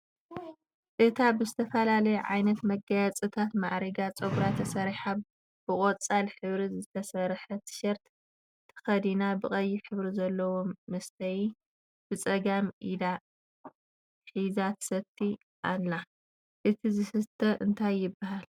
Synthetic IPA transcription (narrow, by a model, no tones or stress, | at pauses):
ʔɨt̪ʰabɨzɨt̪ʰɐfɐlalɐjuʕa̰jnɐt̪mɐɡajat͡sʼɨt̪ʰat̪maʕɾɐɡat͡sʼɐɡɾat̪ʰɐsɐɾiħa | b̥ɨkʼot͡sʼalħɨβɾizɨt̪ʰɐsɐɾħɐt̪ʰɨ̥ʃɐɾt̪ʰː | ɨ̥xɐd̪inabɨχʼɐjːiħɨβɾizɐlːɐwo̞ːɐst̪ʰɐji | b̥ɨt͡sʼɐɡamʔida | ħizat̪ʰsɐt̪ʰːi | ʔalːa | ʔɨt̪ʰizɨsɨt̪ʰːɐʔɨ̰nt̪ʰajːɪbːahal